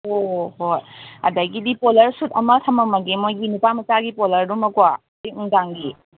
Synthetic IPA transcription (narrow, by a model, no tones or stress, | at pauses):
ohoja̰dajɡidipɔlɐɾsutamatʰamamaɡemojɡinupamasaɡipɔlɐɾdumakwa | diuŋdaŋɡi